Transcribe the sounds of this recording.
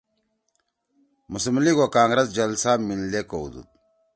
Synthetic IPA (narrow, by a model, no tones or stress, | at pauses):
musmliɡokaːŋɡɾɐzd͡ʑɐlsaːmillekoṵd̪ṵt̪̚